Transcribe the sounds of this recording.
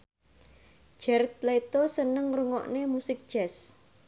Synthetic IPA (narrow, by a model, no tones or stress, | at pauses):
ʒ̥ɛrt̪̚let̪osənəŋruŋɔ̰ʔnemusɪk̚d̥ʒ̥ɛs